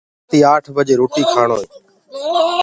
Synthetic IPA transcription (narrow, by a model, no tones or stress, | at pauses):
t̪iːaːʈʰbəd͡ʒeːɾoːʈiːkʰaːɳoːeː